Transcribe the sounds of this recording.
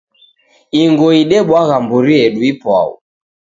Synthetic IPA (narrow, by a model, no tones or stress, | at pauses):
iŋɡɔiɗɛɓwaɣambuɾiɛɗuipwa̰ṵ